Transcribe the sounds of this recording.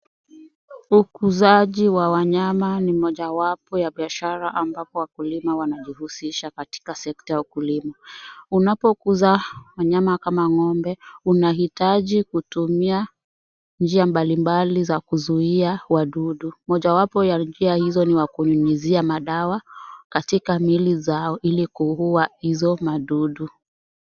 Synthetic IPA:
ukuzaʄiwawaɲamanimɔʄawapɔjaɓiaʃaɾaʔambapɔwakulimawanaʄihusiʃakati̥kasɛktajaukulimaunapɔkuzawaɲamakamaŋɔmbɛunaɦitaʄikutumia | nd͡ʒiambalimbalizakuzuiawaɗuɗumɔʄawapɔjand͡ʒiahizɔniwakuɲuɲiziamaɗawakatikamilizaɔʔilikuɦuahizɔmaɗuɗu

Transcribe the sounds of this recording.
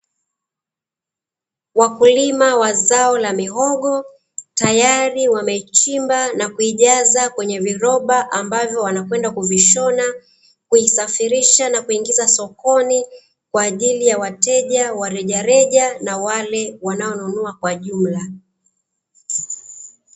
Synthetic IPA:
wakulimawazaɔlamiɦɔɠɔ | tajaɾiwamɛt͡ʃimbanakuiʄazakwɛɲɛviɾɔɓaʔambavjɔwanakwɛndakuviʃɔna | kuisafiɾiʃanakuiŋɡizasɔkɔni | kwaːʄilijawatɛʄawaɾɛʄaɾɛʄanawalɛwanaɔnunuakwaʄum̩la

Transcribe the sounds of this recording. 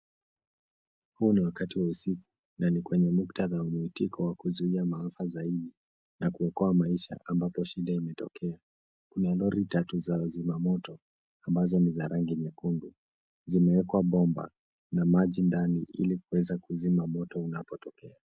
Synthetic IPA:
huniwakatiwausiku̥ | nanikwɛɲɛmuktaðaumuitikʰɔwakuzuiamaafazaiɗi | nakuɔkɔamaiʃa̰ʔambapɔʃiɗaimɛtɔkʰɛa | kunalɔɾitatuzazimamɔtɔ | ambazɔnizaɾʔaŋɡiɲakundu | zimɛwɛkwaɓɔmba̰ | namaʄindaniʔḭlikuwɛzakuzimamɔtɔunapɔtɔkɛa

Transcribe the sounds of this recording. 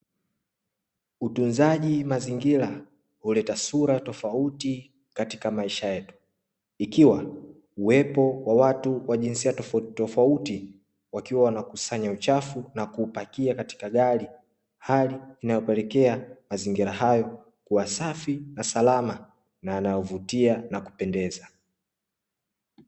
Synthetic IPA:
utunzaʄimaziŋɡiɾa | hulɛtasuɾatɔfauti | kati̥kamaiʃajɛtu̥ | ikiwa | uwɛpɔwawatuwaʄinsiatɔftɔfauti | wakiwawanakusaɲaut͡ʃafunakuːpakiakati̥kaɠali | haliːnajɔpɛlɛkɛamaziŋɡiɾahajɔ | kuwasafinasalama | naːnajɔvutianaku̥pɛndɛza

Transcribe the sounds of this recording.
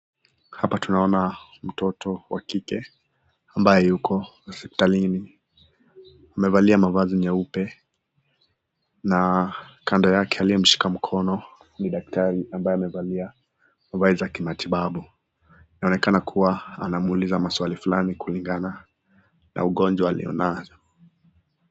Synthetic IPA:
hapatunaɔna | m̩tɔtʰɔwakikɛ | ambajɛjukʰɔ | sɛpi̥talini | amɛvaliamavazimɛupɛ | nakandɔjakʰɛalijɛm̩ʃi̥kam̩kʰɔnɔ | niɗak̚taɾiambajɛamɛvalia | mavaizakimatʰiɓaɓu | inaɔnɛkanakʰuwaa̰namuulizamaswalifulanikuliŋɡana | nʔa̰uɠɔnd͡ʒwaːlḭɔ̰navɔ

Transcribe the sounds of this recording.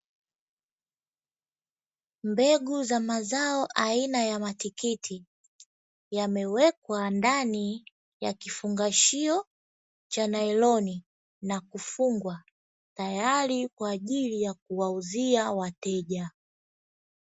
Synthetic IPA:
mbɛɡuzamazaɔʔainajamatikitʰi | jamɛwɛkwandani | ja̰kifuŋɡaʃiɔ | t͡ʃanaɛlɔni | nakufuŋɡwa | tajalikwaːʄilijak̚uwauziawatɛʄa

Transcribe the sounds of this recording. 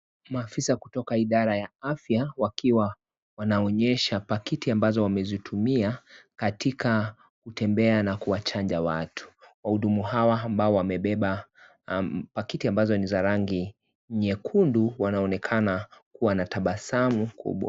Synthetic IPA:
maːfisaku̥tɔkaiɗaɾajaafjawakiwa | wanaɔɲɛʃapakitiambazɔwamɛzitʰumiakatika | kutɛmbɛanakuwat͡ʃand͡ʒawatʰu̥wahuɗumuhawaːmbaɔwamɛɓɛɓa | pakitiambazɔnizaɾaŋɡi | ɲɛkʰunduwanaɔnɛkʰanakuwanataɓasamukʰṵɓwa̰

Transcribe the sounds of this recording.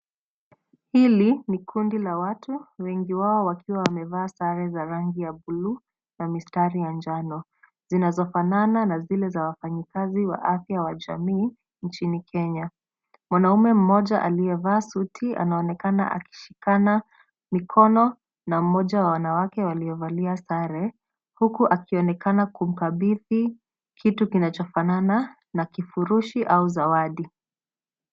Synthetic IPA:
hilinikʰundilawatʰuwɛŋɡiwaɔwakʰiwawamɛvaːsaɾɛzaɾaŋɡijabulu | namistaɾijand͡ʒanɔ | z̥inazɔfanananazilɛzawafaɲikaziwa̰ʔafjawaʄa̰miː | nt͡ʃinikʰɛɲa | mwanaumɛm̩mɔʄaʔalijɛvaːsutʰia̰naɔnɛkana̰ʔa̰ki̥ʃi̥kana | mikʰɔnɔ | nam̩mɔʄawawanawakɛwaliɔvaliasaɾɛ | hukuʔakiɔnɛkanakum̩kaɓiði | kʰitukinat͡ʃɔfanana | nakifuɾuʃiʔauzawaɗi

